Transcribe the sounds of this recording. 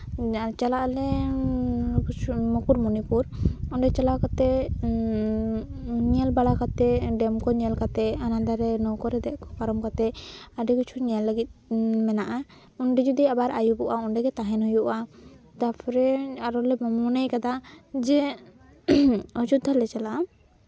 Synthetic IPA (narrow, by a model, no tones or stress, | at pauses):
t͡ʃalaʔlɛ | mɔkuɾmɔnipuɾɔɳɖɛt͡ʃalakat̪ɛ | ɲialbaɽakat̪ɛɖɛmkɔɲɛlkat̪ɛanãnd̪aɾɛnɔkɔɾɛd̪ɛʔkɔ̥paɾɔmkat̪ɛaɖɛkut͡ʃʰunijalːəɡit̪̚mɛnaʔa | unɖɛd͡ʒɔd̪iabaɾajubɔʔaɔɳɖɛɡɛt̪aɦɛnɦujuʔat̪apʰɔɾɛaɾɔlɛmɔmɔnejkad̪ad͡ʒɛ | ɔd͡ʒut̪ːalɛt͡ʃala